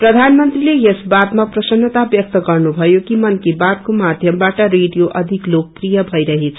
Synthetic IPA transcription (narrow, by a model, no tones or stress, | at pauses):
prʌd̪ʱanmʌnt̪rilejesbad̪maprʌsʌnːʌt̪abjʌk̚t̪ʌɡʌrnubʱʌjokimʌnkebad̪̚komad̪ʱjʌmbaʈʌreɖijoʔʌd̪ʱiklok̚prijʌbʱʌjɾʌɦet͡sʰ